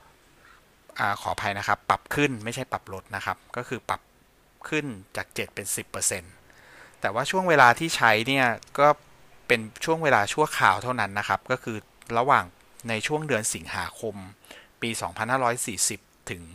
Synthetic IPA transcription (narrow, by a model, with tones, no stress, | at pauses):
ʔaː˨˩kʰɔː˩˦pʰa˧jna˦˥kʰa˦˥pːa˨˩p̚kʰɯ˥˩nma˥˩jt͡ɕʰa˥˩jpa˨˩p̚ɾo˦˥t̪̚na˦˥kʰa˦˥p̚kɔː˥˩kʰɯː˧pa̰˨˩p̚ | kʰɯ˥˩nt͡ɕaː˨˩k̚t͡ɕe˨˩t̪̚pe˧nsi˨˩pːɤː˧se˧n | t̪ɛː˨˩waː˥˩t͡ɕʰu˥˩ŋweː˧laː˧t̪ʰiː˥˩t͡ɕʰa˦˥jni˥˩ɐkɔː˥˩ | pe˧nt͡ɕʰu˥˩əŋweː˧laː˧t͡ɕʰu˥˩əkʰaː˨˩wt̪ʰa˥˩wna˦˥nːa˦˥kʰa˦˥p̚kɔː˥˩kʰɯː˧ | ɾa˧waː˨˩ŋ | na˧jt͡ɕʰu˥˩əŋdɯ˧ənsi˩˦ŋhaː˩˦kʰo˧mpiː˧sɔ̰ː˩˦ŋpʰa˧nhaː˥˩ɾɔː˦˥jsiː˨˩si˨˩p̚t̪ʰɯ˩˦ŋ